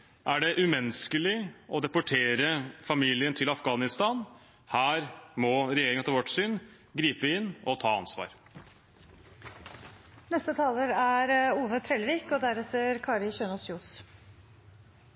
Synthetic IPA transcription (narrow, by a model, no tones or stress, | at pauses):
ʔæɖɛʔʉmɛnskəlɪɔd̪ɛpʊʈʰeːɾəfɑmiːlɪənt̪ʰɪlɑfɡɑːnɪst̪ɑːn | hæːɾmɔɾɛjeːɾɪŋɑt̪ʰɑlʋɔʈːsyːn | ɡɾiːpəɪnːɔt̪ʰɑːɑ̰nsʋɑ̰ːɾ | nɛst̪ət̪ʰɑːləɾæɾuːʋət̪ʰɾɛlʋiːkɔd̪æɾɛt̪əɾkʰɑːɾɪçøːnɔsjuːs